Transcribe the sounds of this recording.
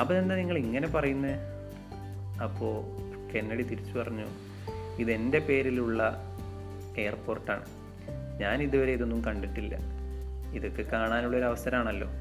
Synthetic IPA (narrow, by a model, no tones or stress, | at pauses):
ɐpːoend̪ɐniŋːɐɭiŋːɐne̞pɐrɐjunːɐ | ɐpːo̞ː | ke̞nːɐɽit̪iɾit͡ɕːupɐrɐɲːṵ | iðe̞nde̞pe̞ːɾiluɭːɐ | e̞ːɐrpo̞ːrʈːa̰ːɳɨ | ɲaːniðuʋɐɾeiðo̞nːumkɐɳɖiʈːilːɐ̰ | iðo̞kːekaːɳaːnuɭːɐo̞ɾuɐʋɐsɐɾɐmaːɳɐlːo̞ː